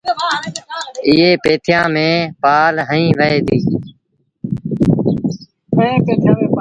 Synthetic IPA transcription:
ɪɦeːpeːt̪ʰjãːmẽːpaːlɦəĩːʋəeːd̪iː | əẽːpeːt̪ʰjãːmẽː

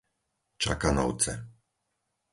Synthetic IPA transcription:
t͡ʃa̰kanɔ̰ʊt͡sɛ̰

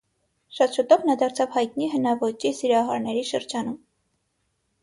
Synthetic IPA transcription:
ʃɑt̪ʃut̪ɔvnɑd̪ɑɾt͡sʰɑvhɑjt̪niɦənɑvɔt͡ʃisiɾɑɦɑɾnɛɾiʃəɾd͡ʒɑnum

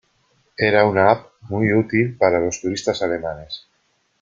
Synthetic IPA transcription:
eɾaunaap̚ | mujut̪ilpaɾalost̪uɾist̪asalemanes

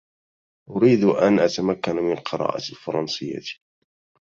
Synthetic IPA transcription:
ʔʊɾiːd̪ʔanʔat̪amakːanamɪnlqɨɾˤɑ̰ːʔalfɑɾˤɑnsɪjːa̰t̪i̥

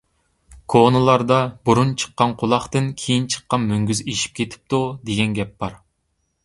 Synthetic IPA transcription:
kʰonɨlˠɑɾd̪ɑbuɾunt͡ʃʰə̥qːɑnqʰʊlˠɑχt̪ɨnkʲʰejint͡ʃʰə̥qːɑnmøŋɡʲyzeʃi̥p̚kʲʰet̪ʰɪ̥p̚t̪ud̪eɡʲɛnɡʲɛp̚bɑɾ

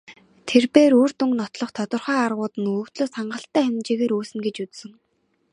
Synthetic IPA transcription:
t̪ʰerpeːɾoːr̥t̪uŋɡnɔt̪ɮɞ̆χt̪ʰɔt̪ɞ̆rχœːarʁʊːt̪ɘ̆nɵɵ̆kt̪ɮoːsaɴɢə̆ɬt̪æːχænʲt͡ɕeːɣeːɾuːsɘ̆ŋɡet͡ɕut͡ssɘ̆ŋ

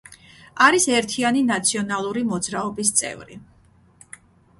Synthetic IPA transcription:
aɾisɛɾt̪ʰianinat̪sʰiɔnalˠuɾimɔd̪zɾaɔbist̪sʼɛ̰vɾḭ

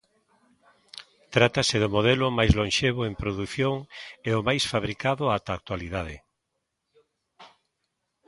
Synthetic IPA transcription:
t̪ɾat̪aseðʊmoð̞ɛlʊmajzlõnʃeβoempɾoðuθjoŋeomajsfaβɾikaðʊat̪aːk̚t̪waliðað̞ɪ̰

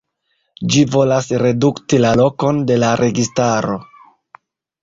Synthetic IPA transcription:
d͡ʒivo̞lasɾe̞duktilalo̞ko̞nde̞laɾʔe̞ɡistaɾo̞̰

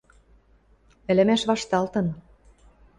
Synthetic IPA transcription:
ɘ̆lɘ̆mæʃβɑʃt̪ɑlt̪ɤ̆n

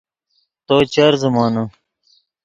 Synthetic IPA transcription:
t̪oːt͡ɕɐɾzumɑːno

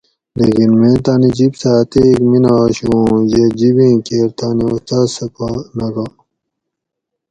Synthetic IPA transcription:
lekinmẽːt̪aːnid͡ʑibsaːt̪ekminaːɕũːjed͡ʑibĩːkeːɾt̪aːniust̪aːzsɐpanɐɡa

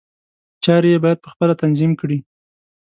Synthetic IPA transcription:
t͡ʃɑɾjebɑjad̪̚pəxpəlat̪anzimkɽi

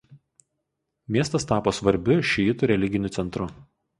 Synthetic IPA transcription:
mʲiɛst̪ɐst̪ɑːpoːsʋɐɾʲbʲʊʃʲɪjɪt̪ʊɾʲɛlʲɪɡʲɪnʲʊt̪sʲɛnt̪ɾʊ

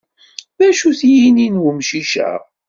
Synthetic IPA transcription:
ðæʃuθjininwumʃiʃæ̰

